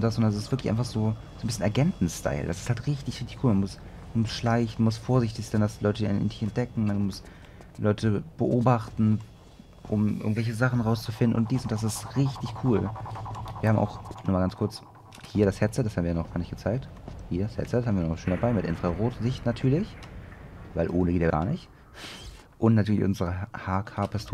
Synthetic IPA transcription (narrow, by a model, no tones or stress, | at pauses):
ʊntd̥asʔontdasɪstv̥ɪɐklɪçʔaɪfaχz̥oː | zoːnbɪsçənɛɐɡɛntn̩stʰa̰ɪldasɪsthaltʁɪçtɪçʁɪçtɪçkʰuːlmanmʊs | manmʊsʃlaɪçn̩mʊstfoːɐzɪçtɪçz̥aɪndaslɔʏtəinndɪçɛnt̚d̥ɛkŋ̩mandmʊs | lɔʏtʰəb̥əʔoːbaχtn̩ | ʔʊmʔɪ̰ɐɡŋ̩tv̥ɛlçəzaχn̩ʁaʊst͡sufɪndn̩ʔʊnt̚d̥iːsʊntd̥as̬ɪstʁɪçtɪçkʰuːl | viːɐhaːmʔa̰ʊxnɔχmalɡant͡skʰʊɐt͡s | hiːɐɾashɛtt͡sɛt̚d̥ashaːbmviːjanɔχɡ̥aːɐnɪçtɡ̥ət͡saɪk̚thiːɐdashɛ̰tt͡sɛthaːmviːɐnɔʃøːndabaɪmɪtʔɪnʁ̥aʁoːtzɪçtnatʰyːɐlɪç | vaɪlʔoːnəɡ̥eːtjːɐɡa̰ːɐnɪçt | ʔʊntnatʰyɐlɪçʔʊnzəʁəhaːkʰaːpʰɛstʰː